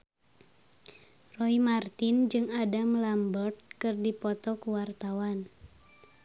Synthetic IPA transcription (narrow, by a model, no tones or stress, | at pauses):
rɔimart̪ind͡ʒɨŋadamlambɔrt̪̚kɨrdipɔt̪ɔkuwart̪awan